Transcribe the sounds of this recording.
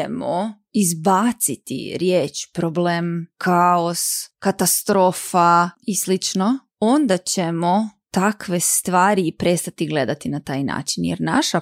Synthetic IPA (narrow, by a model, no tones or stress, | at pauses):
emo | izbaːt̪sit̪ḭɾjeːt͡ʃpɾoblemkʰaoskat̪ast̪ɾo̞ːfaislit͡ʃno | ond̪at͡ɕemot̪akʋe̞st̪ʋaːɾiːpɾest̪at̪iɡle̞d̪at̪inat̪a̰ːjna̰ːt͡ʃinjɛ̰ɾna̰ʃa